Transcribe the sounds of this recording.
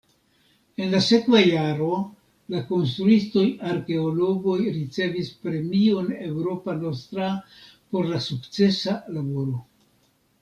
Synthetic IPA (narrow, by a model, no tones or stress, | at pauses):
e̞nlase̞kvajaɾo̞ | lako̞nst̪ɾuisto̞jaɾke̞olo̞ɡo̞jɾit͡se̞vispɾe̞mio̞ne̞wɾo̞pano̞stɾa | po̞ɾlasukt͡se̞salabo̞ɾo̞